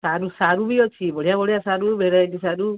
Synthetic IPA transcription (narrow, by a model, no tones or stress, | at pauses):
saːɾusaɾubiɔt͡ʃʰibɔɽ̤ijãbɔɽ̤ijãsaːɾubʱeɾaeʈisaːɾu